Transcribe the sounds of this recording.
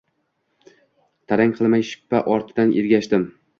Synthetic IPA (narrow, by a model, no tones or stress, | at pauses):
t̪ʰaɾaŋʲqʰɨlˠmajʃɪ̥pːaʔɒɾt̪ʰɪd̪anʔeɾɡʲaʃt̪ɪm